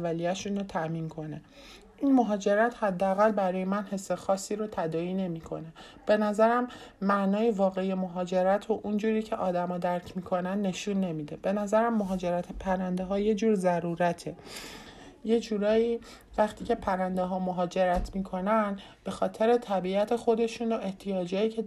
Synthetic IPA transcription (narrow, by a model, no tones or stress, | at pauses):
vːælijæʃunɾot̪ʰæmiːnkʰo̞ne | ʔiːnmoɦɒːd͡ʒeɾæt̪hæd̪ːeæɣælbæɾɒːjemænhe̞sːe̞xɒːsːiːɾot̪ʰæd̪ɒːiːne̞miːkʰo̞̰ne̞ | b̥e̞næzæɾæmːæʔnɒːjevɒːɣe̞ijemoɦɒːd͡ʒe̞ɾæt̪ʰoʔund͡ʒuːɾiːcʰe̞ʔɒːd̪æmɒːd̪æɾcʰmiːkʰo̞nænd̪ːe̞ʃunːe̞miːd̪e̞b̥e̞næzæɾæmːoɦɒːd͡ʒe̞ɾæt̪ʰepʰæɾænd̪eɦɒːje̞d͡ʒuːɾzæɾuːɾæt̪ʰe̞ | je̞d͡ʒuːɾɒːiː | væχt̪ʰiːcʰe̞pʰæɾænd̪eɦɒːmoɦɒːd͡ʒeɾæt̪ʰmiːkʰo̞næn | b̥e̞xɒːt̪ʰe̞ɾe̞t̪ʰæbiæt̪ʰe̞xo̞d̪e̞ʃuːnoe̞ht̪ʰijɒːd͡ʒɒːjiːcʰe